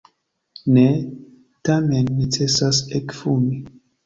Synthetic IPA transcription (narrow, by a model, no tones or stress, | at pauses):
ne | tamenːit͡sesasekfumi